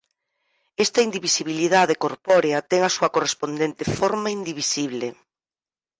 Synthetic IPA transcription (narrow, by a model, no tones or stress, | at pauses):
ɛst̪ɐind̪iβisiβiliðaðekoɾpɔɾeɐt̪ɛŋɐsuɐkorespond̪ent̪efoɾmaind̪iβisiβle